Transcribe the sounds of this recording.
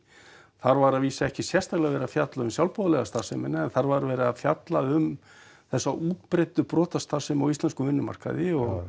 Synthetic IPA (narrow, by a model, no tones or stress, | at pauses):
θaɾvaɾaviːsaɛhcɪsjɛ̥st̪alaɣvɛːɾafjat̪laʏmsjawlpoðalɛɣast̪asɛmɪnːaɛnθaɾvaɾvɛːɾɪafjat̪laʏm | θɛsːaʔuːt̪̚pɾejt̪ʏpɾɔːt̪ast̪aːsɛmawist̪lɛnskʏvʏnːʏma̰r̥ka̰ðɪɔɣ